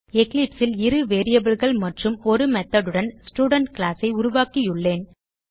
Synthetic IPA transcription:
ɛklɪpsɪlɪɾɯʋeːɾɪjɐbɯɭɣɐɭmɐʈrɯmɔɾɯmɛt̪ːɐɽɯɽɐnsʈuːɽɐɳʈkɭaːsɐɪʊɾʊʋaːkijʊɭːeːn

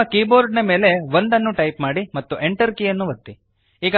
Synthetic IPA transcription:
ɐkiːboːɾɖnɐme̞ːle̞ʋond̪ɐnːuʈɐjpmaːɽimɐt̪ːuʔe̞ɳʈɐɾkijɐnːuʋɐt̪ːi | iːɡɐ

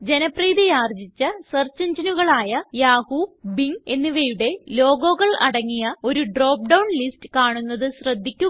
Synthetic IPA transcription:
d͡ʑe̞nɐpriːðijaːrd͡ʑit͡ɕːɐsɐrt͡ɕːɐɲd͡ʑinuɣɐɭaːjɐjaːhubiŋe̞nːiʋejuɽe̞lo̞ːɡo̞ːɣɐɭɐ̰ɽɐŋːijɐo̞ɾuɖro̞ːp̚ɖɐwɳlistɨ̥kaːɳunːɐðɨɕrɐd̪ʱːikʲːu

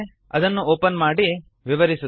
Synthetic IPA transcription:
ɐd̪ɐnːuoːpɐnmaːɽi | ʋiʋɐɾisu

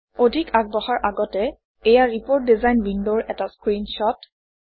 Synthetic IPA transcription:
odʱikak̚bɔxaɹʔaɡɔtɛ | ejaɹipoɹt̚dizajnwindoɹɛtaskɹinʃɔt

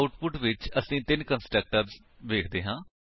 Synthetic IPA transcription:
ʊʈpʊʈʋɪt͡ʃəsĩːt̪ɪnkənsʈək̚ʈəɾz | ʋeːkʰd̪eːɦãː

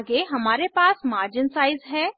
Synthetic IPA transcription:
ɡeɦɐmaːɾepaːsmaːɾd͡ʒɪnsaːɪzɦɛː

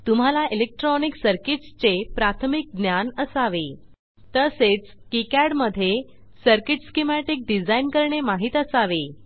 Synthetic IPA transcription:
t̪um̤alaʔilek̚ʈɾɔniksəɾkiʈst͡sepɾat̪ʰmik̚ɡ̪njanəsaʋe | t̪əset͡s | kikaɾɽməd̪ʱːje | səɾkiʈskemaʈik̚ɖid͡zainkəɾɳemaɦit̪əsaʋe

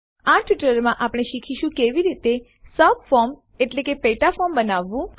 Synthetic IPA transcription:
aʈʰiʈəɾmãʔapɽ̃eʃikʰiʃũkeʋiɾit̪e | səbfɔɾm | eʈlekepeʈafɔmbənaʋːũ

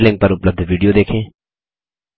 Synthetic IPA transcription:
lɪ̃ŋɡ̚pɐɾʊpləb̚d̪ʱʋiːɖijoːd̪eːkʰẽː

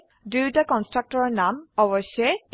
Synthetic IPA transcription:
dujtakɔnstɹak̚tɔɹɔɹnamɔβɔsɛ

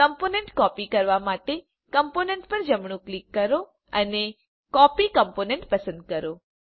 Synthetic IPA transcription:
kəmponeɳʈkɔpikəɾʋamaʈe | kəmponẽɳʈpəɾd͡ʒəmɳ̃ũklikːəɾo | əne | kɔpikəmponeɳʈpəsə̃nd̪̚kəɾo

